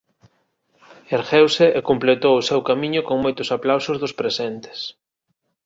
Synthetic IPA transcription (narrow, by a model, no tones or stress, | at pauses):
eɾxewsɪʔekomplet̪owʊsewkamĩɲʊkoŋmojt̪ʊsaplawsʊzðʊspɾesent̪ɪ̥s